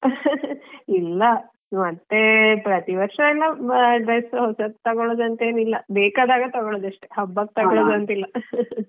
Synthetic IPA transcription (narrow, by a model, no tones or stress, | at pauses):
ilːɐ | mɐt̪ːepɾɐt̪iʋɐɾʂɐilːɐɖɾɐjsɦɔsɐt̪ɐɡɔɭoːd̪ɐnt̪ɐeːnilːɐbeːkaːd̪aːɡɐt̪ɐɡɔɭoːd̪ɐʂʈeɦɐbːɐk̚t̪ɐɡɔɭoːd̪ɐnt̪ilːɐ